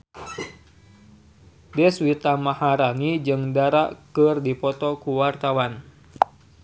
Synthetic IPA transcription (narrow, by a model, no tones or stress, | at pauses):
dɛswit̪amahaɾanid͡ʒɨŋdaɾaʔkərdipɔt̪ɔkuwart̪awan